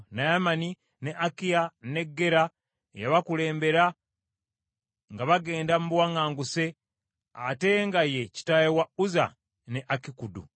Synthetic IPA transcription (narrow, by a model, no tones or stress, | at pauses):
najamani | neʔakijane̞ɡːe̞ɾa | ejaβakule̞ːmbe̞ɾa | ŋɡaβaɡe̞ːndamuβwaŋaːŋɡuse̞ | a̰te̞ŋɡaje̞ci̥tajewauza̰ | neʔakikudṵ